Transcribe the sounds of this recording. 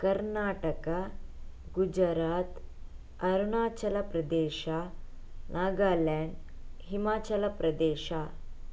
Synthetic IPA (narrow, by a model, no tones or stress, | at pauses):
kɐɾnaːʈɐka | ɡud͡ʒɐɾaːt̪ | ɐɾunaːt͡ʃɐlɐpɾɐd̪eːʃaː | nʔaːɡaːlaɳɖ | ɦimaːt͡ʃɐlɐpɾɐd̪eːʃa